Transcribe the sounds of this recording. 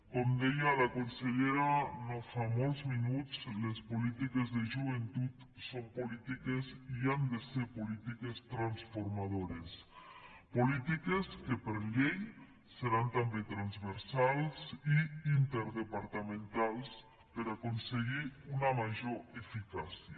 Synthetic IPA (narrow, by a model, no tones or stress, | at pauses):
komd̪ejalakonseʎeɾanofamolˠzminut͡slespolit̪ikezðeʒuβ̞ent̪ut̪ | sompolit̪ikeziand̪eseɾpolit̪ikest̪ɾansfoɾmað̞oɾes | polit̪ikeskepeɾʎej | seɾant̪ambet̪ɾanzβeɾsalsiint̪eɾðepaɾt̪amẽnt̪alˠs | peɾakonseɣiunamaʒoefikasia